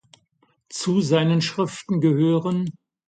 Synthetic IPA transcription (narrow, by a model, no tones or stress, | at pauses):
t͡suzaɪnənʃʁ̥ɪftn̩ɡəhøːʁən